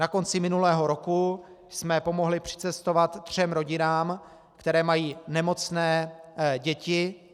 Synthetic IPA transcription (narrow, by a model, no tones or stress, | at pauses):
nako̞nt͡sɪmɪnulɛːɦo̞ɾo̞ku | smɛpomo̞ɦlɪpr̥ɪ̥t͡sɛst̪ovat̪ːr̝̥ɛmɾo̞ɟɪnaːm | kt̪ɛɾɛːmajiːnɛmo̞t͡snɛːɟɛcɪ